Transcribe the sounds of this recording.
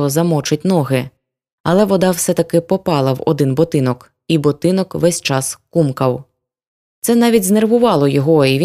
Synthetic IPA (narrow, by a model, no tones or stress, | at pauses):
ɔzɐmɔt͡ʃɪt̚ʲnɔɦɪ | ɐlˠɛʋɔd̪ɑwsɛt̪ɐkɪpɔpɑlˠɐwɔ̰d̪ɪnbɔt̪ɪnɔk | ibɔt̪ɪnɔkʋɛsʲt͡ʃɑskumkɐw | t̪sɛnɑʋʲitʲzne̞rʋʊʋɑlˠɔjɔɦɔiʋʲi